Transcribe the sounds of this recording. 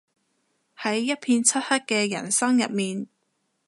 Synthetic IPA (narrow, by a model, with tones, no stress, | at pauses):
hɐ˨˥jːɐ˥t̚pʰiː˧nt͡sʰɐ˥t̚hɐ˥t̚kɛː˧jɐ̰˨˩nsɐ˥ŋjɐ̰˨t̚miː˨n